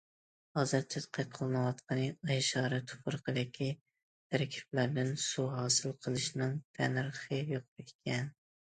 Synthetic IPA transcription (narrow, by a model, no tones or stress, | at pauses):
ɑzɨɾt̪ʰɪt̪qʰɑqʰəlˠɨnɨwɑt̪qʰənɨɑjʃɑːɾɨt̪ʰʊ̥pʰʊɾqʰəd̪ɪkʲʰi | t̪ʰæɾkʲʰi̥plæɾd̪ɪnsuɦɑːsɨlˠqʰəlˠɨʃnɨŋt̪ʰænɨɾχəjoq̚petʲkʲʰɛn